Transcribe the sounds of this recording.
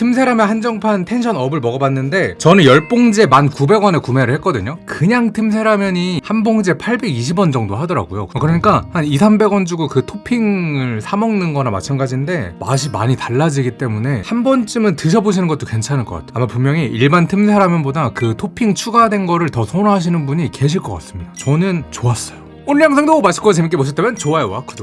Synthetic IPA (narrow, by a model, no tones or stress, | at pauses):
tʰɯmsʰe̞ɾameɦand͡ʑʌŋpʰantʰe̞nɕʰʌnʌbɯɭmʌɡʌbanːɯnde̞t͡ɕʌnɯnjʌɭp͈oŋd͡ʑe̞mankube̞ɡwʌnekume̞ɾɯɭhɦek͈ʌdɯɲokɯɲaŋtʰɯmsʰe̞ɾamjʌɲihanboŋd͡ʑe̞pʰaɭbe̞ɡiɕ̬ʰibwʌnd͡ʑʌŋdoɦadʌɾa̰ɡujo̰kɯɾʌɲik͈ahanisʰanbe̞ɡwʌnd͡ʑuɡukɯtʰopʰiŋɯɭsʰamʌŋnɯnɡʌnama̰t͡ɕʰanɡad͡ʑinde̞ma̰ɕ̬ʰima̰ɲitaɭːad͡ʑiɡit͈e̞mune̞hanbʌnt͡ɕ͈ɯmɯntɯɕ̬ʰʌboɕ̬ʰinɯnɡʌt͈okwent͡ɕʰanɯɭk͈ʌk͈a̰tʰe̥amapummjʌŋiʔiɭbantʰɯmsʰeɾamjʌnbodakɯtʰopʰiŋt͡ɕʰuɡadwe̞nɡʌɾɯɭtʌsʰonɦaɕ̬ʰinɯnbuɲike̞ɕ̬ʰiɭk͈ʌk͈a̰s͈ɯmɲidaat͡ɕʌnɯnt͡ɕoas͈ʌjo | onɭiaŋs̬ʰaŋdomaɕʰi̥k͈ot͡ɕemik͈eboɕ̬ʰit͈emjʌnt͡ɕoajeak͈ʰodo